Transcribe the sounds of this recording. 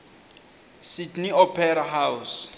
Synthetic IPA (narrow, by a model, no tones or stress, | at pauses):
sidniɔpʰɛɾaɦaws